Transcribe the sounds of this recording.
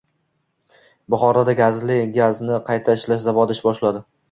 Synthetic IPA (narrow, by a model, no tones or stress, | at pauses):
bʊχɒɾad̪aɡʲazlɪɡʲaznɪqʰɑjt̪ʰaɪʃlaʃzavɒd̪ɪʃbɒʃlad̪ɪ